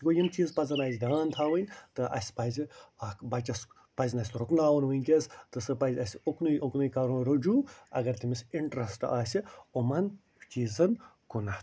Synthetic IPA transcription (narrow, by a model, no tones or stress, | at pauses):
ɡojimt͡ʃiːzpɐzɐnaːzʲd̪ʲaːnt̪ʰaːʋɨnʲt̪ɨʔɐ̰sʲpɐziakbɐt͡ʃɐs | pɐzʲnɐːsʲt̪ɾuknaːwɐnʋɨnʲkʲest̪ɨsɨpɐzʲɐsʲuknuʔuknɨjkɐɾunɾɐd͡ʒuːɐ̰ɡɐɾt̪ʲimisiɳʈɾɐsʈɨaːsʲiumɐn | t͡ʃiːzɐnkunɐt̪